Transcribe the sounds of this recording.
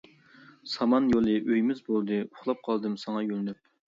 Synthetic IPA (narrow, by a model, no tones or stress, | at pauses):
sɑmɑnjolˠɨʔøjmɪzbolˠd̪ɨʊχlˠɑp̚qʰɑlˠd̪ɨmsɑŋɑjølnyp̚